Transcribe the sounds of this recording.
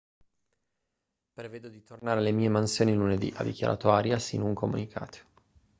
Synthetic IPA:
pɾeveːd̪od̪it̪ʰornaːɾelemiːemansjoːniluned̪ḭʔa̰d̪ikja̰ɾʔa̰ːt̪oaːɾjasḭnouŋkʰomṵnikʰa̰ːt̪ʰo̥

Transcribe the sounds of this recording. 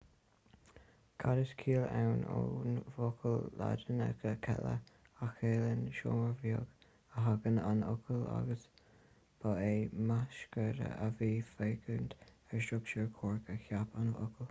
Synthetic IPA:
kʰaɾəskʰiːlawnonvokʰəlla̰dənə̰kʰəkʰɛ̰lə̰ | axeːlənʃoːməɹvjoɡ | əɦaɡənanʊkʰəla̰ɡəs | b̥aeːmaʃkəɾə̰əviːfeːɡənt̪ | ɛɹsɹʊkt͡ʃəɹkʰoːɹkəçapanvʊ̰kʰəl

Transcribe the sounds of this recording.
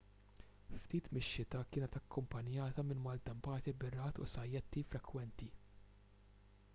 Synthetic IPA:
ft̪iːt̪mɪʃːɪt̪ɐkɪːnɛt̪ɐkːʊmpɐnjɐːt̪ɐmɪnmɐlt̪ɐmpɐːt̪ibɪrɐːt̪ʊ̰sɐjːɛt̪ːifɾɛkwɛnt̪i

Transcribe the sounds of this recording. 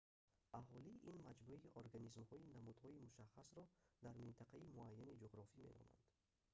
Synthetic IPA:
ʔaɦɔliʔinmad͡ʒbuiʔoɾɡanizmhɔinamud̪hɔimuʃaχːasɾɔd̪aɾmint̪ʰaqaimuajːanid͡ʒoʁɾɔfime̞̰nɔ̰na̰nd̪̥

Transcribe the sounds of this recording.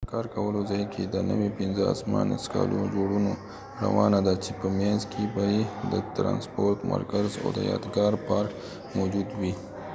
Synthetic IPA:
kaːɾkɐwəlozajkʰed̪ənə̰wepinza̰sma̰ːn̰ska̰ːlʔod͡ʒoːɽuno | ɾɐ̰waːnad̪at͡ʃepəmẽnzkibaid̪ət̪ɾã̰ːnspoːɾʈ̪ma̰ɾkəɾzo̰d̪əja̰ːd̪ɡɑːɾpaːɾk | mod͡ʒud̪wi

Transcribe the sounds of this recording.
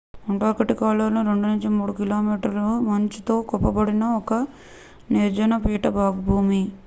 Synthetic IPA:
muɳʈaːɾkɐʈikaːlɐːɾnuɾe̞ɳɖunɐɲt͡ʃimuːɽukiloːmiːʈɐɾlumɐɲt͡ʃit̪o̞ːkɔpːɐbɐɽinɐɔkɐ | niɾd͡ʒɐnɐpiːʈɐbʱaːɡubʱuːmi

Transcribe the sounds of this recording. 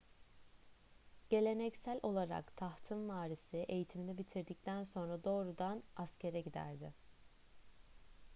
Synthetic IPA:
ɟ̥e̞lʲe̞nɛcsælʲʔo̞lˠaɾa̰kt̪ʰaht̪ʰɯmvaːɾisɪʔe̞jit̪ʰiminɛbit̪ʰiɾd̪ic̚t̪ʰænso̞nɾad̪o̞ːɾud̪anascʰe̞ɾɛɟid̪æ̰ɾd̪ɪ

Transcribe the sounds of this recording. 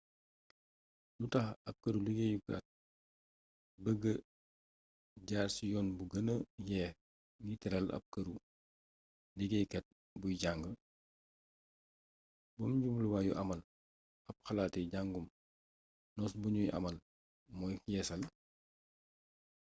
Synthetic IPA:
dutɐxɐp̚kɐɾuliɡejuka̰t̚ | bəɡə | ɟaːɾsijɔːnbuɡɐnəjɛ | ŋɡitɛɾɐlɐ̰p̚kɐɾu | diɡɛjkɛt̚ | bujɟaŋɡə | bɔmɟumluwaːjuʔɐmɐl | ɐp̚xɐlaːtɛɟaŋɡum | nɔsbuɲujʔɐ̰mɐl | mɔjjɛːsɐl

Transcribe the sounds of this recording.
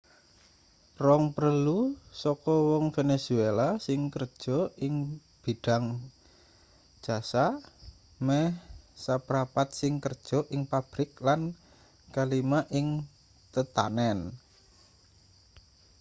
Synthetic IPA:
rɔŋpəɾəlusɔkɔwɔŋfenesuelasɪŋkərd̥ʒ̥ɔ̤ɪŋ | b̥iɖ̥a̤ŋ | d̥ʒ̥a̤sa | mɛsapəɾapat̪̚sɪŋkərd̥ʒ̥ɔ̤ʔɪŋpab̥ɾɪklan | kalimaʔɪŋ | t̪ət̪a̰nɛn

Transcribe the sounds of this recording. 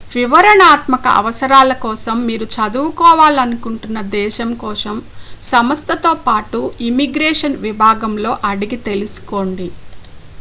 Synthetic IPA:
ʋiʋɐɾɐnaːt̪mɐkɐ̰ʔɐ̰ʋɐsɐɾaːlɐkɔːsɐmːiːɾut͡ʃɐd̪uːukɔːʋaːlɐnukuɳʈunːɐd̪ɛːʃɐmkɔːsɐmsɐmɐst̪ʰɐt̪o̞ːpaːʈuimiɡɾɛːʂɐnʋibʱaːɡɐmlo̞ːʔɐɽiɡit̪e̞lusu̥ko̞ːɳɖi

